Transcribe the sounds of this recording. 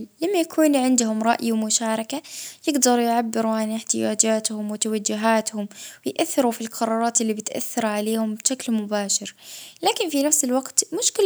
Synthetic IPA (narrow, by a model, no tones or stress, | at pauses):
lamːajakʰuːnʕɪnd̪ʊhʊmɾˤɑʔjawmʊʃaːɾˤɑkajɪɡd̪ɑɾˤjʕabːɪɾuʕanɪħt̪ɪjaːd͡ʒaːt̪hʊmwɪt̪awad͡ʒːʊɦaːt̪hʊmwɪjʔaθːɪɾufilqɑɾˤɑːɾˤɑːt̪ɪlːibɪt̪ʔa̰θːɑɾˤʕaleːhʊmbʃaklmʊbaːʃɪɾlaːkɪnfinafsɪlwaɡt̪mʊʃkɪl